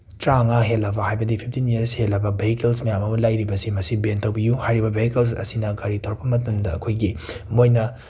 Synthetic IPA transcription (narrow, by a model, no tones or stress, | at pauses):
tɾaŋaɦelːɐbɐhajbɐdipʰip̚ʰtinieɾshelːɐbɐbehikelsmɐjamɐmulajɾibɐsimɐsibentɐwbijuhajɾibɐbehikels̬ɐ̰sinɐɡaɾitʰoɾpɐmɐtɐmdɐ̰ːkʰojɡimojnɐ